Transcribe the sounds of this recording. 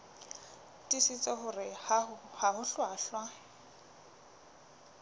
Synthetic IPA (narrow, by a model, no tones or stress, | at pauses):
tʼisit͡sʼeχʊrɪhahahʊɬwaːɬwa